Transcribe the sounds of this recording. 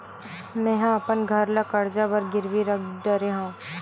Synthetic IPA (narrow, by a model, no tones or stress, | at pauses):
mɛ̃ɦãɐpənɡʱɐɾlakɐɾd͡ʒabəɾɡɪɾʋiɾɐk̚ʰd̪ɐɾeɦãː